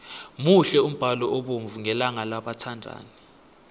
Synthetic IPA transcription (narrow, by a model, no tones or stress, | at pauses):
muɬɛum̩b̥ʱalɔʔoɓoɱvuŋɛlaŋalaɓatʰandʱa̰ːni